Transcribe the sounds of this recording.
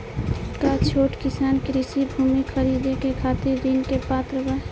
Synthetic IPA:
kat͡ʃʰoːʈkɪsaːnkɾisibʱuːmikʰəɾid̪ekekʰaːt̪iɾd̪inkepaːt̪ɾəbə

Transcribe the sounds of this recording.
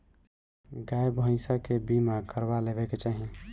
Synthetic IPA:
ɡajbə̃ɪsakebimakəɾbalebɛket͡ʃaɦi

